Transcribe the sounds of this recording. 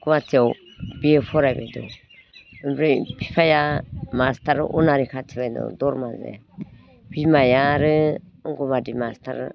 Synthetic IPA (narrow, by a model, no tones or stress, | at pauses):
ɡuβatʰiɔw | biɛfʰɔɾajbɛdɔ̰ | mɾɛpʰipʰajamastʰaɾ̰ʔunaɾikʰatʰiβandɔ̰dɔɾmazɛ̰ | bimajaɾɯ | ɔŋɡɔmadimastʰa̰ɾ